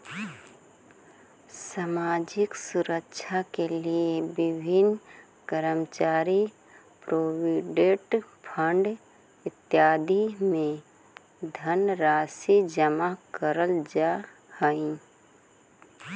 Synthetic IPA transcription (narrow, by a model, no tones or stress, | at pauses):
samaːd͡ʒɪksʊɾəkʃʰakeliebɪbʱɪn | kəɾəmt͡ʃaːɾi | pɾoːwiɖeʈpʰə̃ɳɖ | ɪt̪jaːd̪imẽ | d̪ʱənɾaːsid͡ʒəmakəɾəld͡ʒa | həĩ